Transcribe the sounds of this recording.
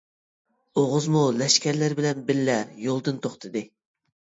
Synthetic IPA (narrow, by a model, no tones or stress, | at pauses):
oʁʊzmulɛʃkʲæɾlæɾbɪlɛnbɪlːɛjolˠd̪ɨnt̪ʰoχt̪ʰɨd̪ɨ